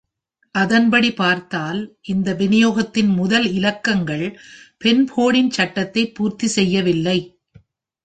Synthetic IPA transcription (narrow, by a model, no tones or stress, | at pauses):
ʔɐðɐnbɐɽipaːɾt̪aːlʔɪnd̪ɐʋɪnɪjoːɣɐt̪ːɪnmʊðɐlɪlɐkːɐŋɡɐɭpɛnpʰoːɽɪnt͡ʃɐʈːɐt̪ːɐɪpːuːɾt̪isɛjːɐʋɪlːɐɪ